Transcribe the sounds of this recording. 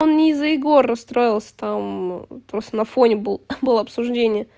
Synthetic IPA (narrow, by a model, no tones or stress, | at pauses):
onnʲɪzːəɪɡo̞rːɐst̪ɾo̞jɪlˠsʲə̥t̪ampɾo̞st̪ənɐfo̞nʲɪbɨlˠbɨlˠəɐpsʊʐdʲenʲɪjə